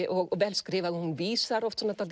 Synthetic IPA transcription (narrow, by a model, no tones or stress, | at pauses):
ʔɔɡɔʋɛlskɾiːʋaðhʊnʋiːsaɾɔft̪sɔnɑt̪ɑld̪